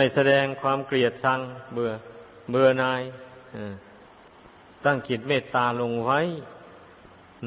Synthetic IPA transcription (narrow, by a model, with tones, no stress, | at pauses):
a˧˩jsa˧dɛː˧ŋkʰwaː˧˥˨mkli˨˩ət̪̚sʰa˧ŋbɯ˧ɐ | bɯ˧ɐnaː˧j | ɯː˧˩ | t̪aː˧˩ŋki˨˩t̪̚meː˧˩t̪ːaː˧lo˧ŋwa˧˥˨j